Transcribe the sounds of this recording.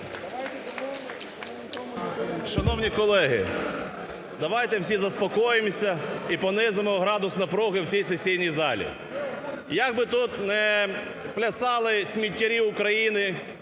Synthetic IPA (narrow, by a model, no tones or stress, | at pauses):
ʃɐnɔwnʲikɔlˠɛɦɪ̰ | d̪ɐʋɑjt̪ɛwsʲizɐspɔkɔjemsʲɐipɔnɪzemɔɦɾɑd̪ʊsnɐpɾɔɦɪwt͡sʲijsesʲijnʲijzɑlʲḭ | jɐɡ̚bɪt̪ut̪nɛ | plʲɐsɑlˠɪsʲmʲitʲːɐɾʲiʊkɾɐjinɪ